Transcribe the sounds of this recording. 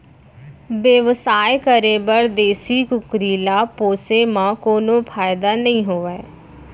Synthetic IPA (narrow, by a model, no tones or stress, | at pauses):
bəʋsaːjkəɾeːbəɾd̪eːsiːkʊkɾiːlaːpoːseːmãːkoːnõːpʰaːɪd̪aːnəĩːɦoːʋɛː